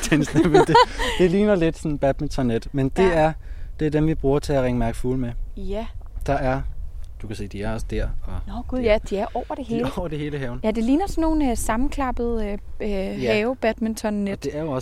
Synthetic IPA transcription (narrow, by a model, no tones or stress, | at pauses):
ensnemd̥ed̥e̝liːnɐle̝d̥sɒ̽nn̩b̥æd̥̚ment͡sʰɒnːed̥mend̥e̝æɐd̥e̝ɐd̥emʋib̥ʁuːɐt͡sʰe̝æʁeŋəmæɐɡ̥fulmejæd̥ɑ̈æɐd̥ukʰæsḛːd̥iæɐɒ̽sd̥æɐ̰ɒ̽nɡ̥ujæd̥iæɐʔɒʊ̰ɐd̥e̝he̝ːlɒʊ̰ɐd̥e̝ɦe̝ːləɦɛːʊnjæd̥e̝liːnɐsɒnːo̝ːn̩øsɑ̈mn̩kʰlɑ̈b̥ð̩ˠøøɦɛːʊb̥æd̥ment͡sʰɒ̽nːed̥d̥e̝æɐjoɒ̽